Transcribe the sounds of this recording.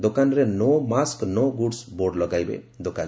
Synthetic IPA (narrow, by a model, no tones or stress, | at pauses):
d̪okanɾenɔmasknɔɡuɖsboɾɖlɔɡajbḛ | d̪okan